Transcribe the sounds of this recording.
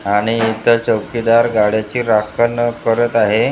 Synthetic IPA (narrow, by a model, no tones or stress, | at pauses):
aɽ̃iːt̪əɾt͡ɕəwkid̪aɾɡaɽjat͡ɕiːɾakʰəlnəkəɾət̪aɦe